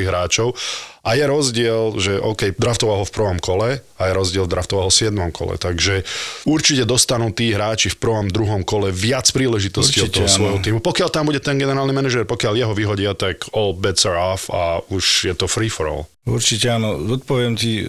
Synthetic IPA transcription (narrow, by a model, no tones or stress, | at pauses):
iɣɦɾaːt͡ʃɔʊʔajɛɾɔzɟɪɛlʒɛʔɔːkɛjd̪ɾaft̪ɔʋaɦɔfpr̩ʋɔmkɔlɛajɛɾɔzɟɪɛlvd̪ɾaft̪ɔʋaɦɔsɪɛd̪mɔmkʰɔ̰lɛ̰t̪aɡʒɛuɾt͡ʃicɛd̪ɔst̪anuːt̪iːɦɾaːt͡ʃifpr̩ʋɔmd̪ɾuɦɔmkɔlɛʋɪat͡spɾiːlɛʒit̪ɔsciɔt̪ːɔɦɔsʋɔjɦɔt̪iːmupɔkɪalt̪ambuɟɛt̪ɛnɡɛnɛɾaːlnimɛnɛʒɛɾpɔkɪaljɛɦɔʋiɦɔɟɪat̪akɔːlbɛt̪saɾɔfa̰uʃjɛt̪ɔfɾiːfɔɾɔ̰l | uɾt͡ʃicɛanɔzɔt̪̚pɔʋɪɛmt̪i